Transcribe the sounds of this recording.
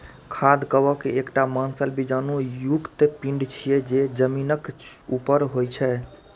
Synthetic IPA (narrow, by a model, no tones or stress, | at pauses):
kʰad̪kəbɔkeːkʈamansəlbid͡ʒanujuɡt̪epiɳɖt͡ʃʰijed͡ʒed͡ʒəminəkupəɾɦojt͡ʃʰɛ